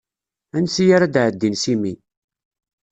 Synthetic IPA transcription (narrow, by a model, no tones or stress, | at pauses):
ænsijaɾad̪ʕəd̪ːinsimi